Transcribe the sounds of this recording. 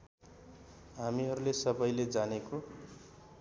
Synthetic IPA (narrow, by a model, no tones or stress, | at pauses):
ɦamiɦʌɾulesʌbʌjled͡zaneko